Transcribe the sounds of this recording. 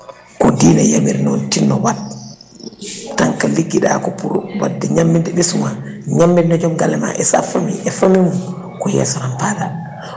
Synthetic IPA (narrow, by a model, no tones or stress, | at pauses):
kɔdiːnajamiɾnɔntinːɔwat̚ | tːaŋkaliɡːiɗa̰kɔpuɾṵwadːɛɲamːindɛɓisumaɲamːɛnɔd͡ʒɔmɡalɛma̰ʔɛsafamḭʔɛfamimu | kɔjɛ̰sɔnanpada